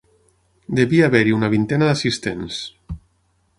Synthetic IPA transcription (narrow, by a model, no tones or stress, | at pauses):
d̪eβiaːβɛɾiunaβint̪ɛnaðasist̪ens